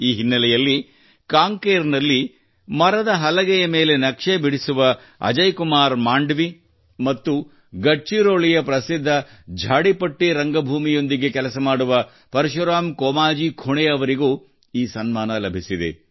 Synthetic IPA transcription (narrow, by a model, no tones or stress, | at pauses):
iːɦinːɐlɛjɐlːi | kaːŋkeːɾnɐlːi | mɐɾɐd̪ɐɦɐlɐɡɛjɐme̞ːle̞nɐkʂebiɽisuʋɐ | ɐ̰d͡ʒɐjkumaːɾmaːɳɖʋi | mɐt̪ːu | ɡɐʈt͡ʃiɾoːɭijɐpɾɐsid̪ʱːɐ | d͡ʒʱaːɽipɐʈːiɾɐŋɡɐbʱuːmijo̞nd̪iɡe̞kɛlɐsɐmaːɽuʋɐ | pɐɾɐʃɐɾaːmkɔːmaːd͡ʒiːkʰuɳɛɐʋɐɾiɡuː | iːsɐnmaːnɐlɐbʱisid̪e̞̰